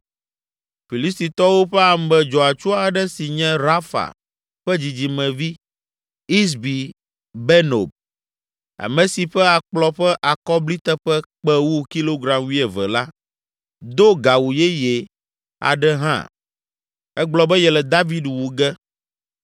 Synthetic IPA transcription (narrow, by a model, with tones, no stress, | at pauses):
fi˨li˦st̪i˨t̪ɔ˦wo˦ɸɛ˦a˨m˦bɛ˨d͡ʒɔ˨a˨t͡ʃu˦a˨ɖɛ˦si˨ɲɛ̃˦ɾa˦fa̰˨ | ɸɛ˦d͡ʑi˨d͡ʑi˨mɛ̃˨vi˦ | i˦s̬bi˨ | bɛ˦no˨b̚ | a̰˨mɛ̃˨si˨ɸɛ˦a˨k͡plɔ˦ɸɛ˦ʔa˨kɔ˦bli˦t̪ɛ˦ɸɛ˦k͡pɛ˦wu˦ki˦lo˦ɡɾa˨mwi˦ɛ˨vɛ˨la˦ | d̪o˦ɡa˨wu˨jɛ˦jɛ˨ | a̰˨ɖɛ˦ɦã̰˦ | ɛ˦ɡ͡blɔ˦bɛ˦jɛ˨lɛ˨d̪a˦vi˦dwu˨ɡɛ˦